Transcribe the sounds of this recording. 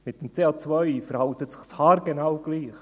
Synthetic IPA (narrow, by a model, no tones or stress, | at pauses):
mɪt̚d̥emt͡seːɑt͡svœʏfəɾhɑʊtətsɪxshɑːɾɡ̥enawɡ̥liːχ